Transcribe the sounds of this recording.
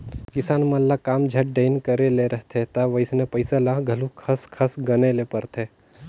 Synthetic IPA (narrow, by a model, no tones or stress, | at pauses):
kɪsaːnmɐlːakaːmd͡ʒʱɐʈ̚ɖeɪnkəɾeleɾəɦt̪ʰet̪aʋəɪsnepəɪsalaɡʱɐlũkʰəskʰəsɡənelepəɾt̪ʰeː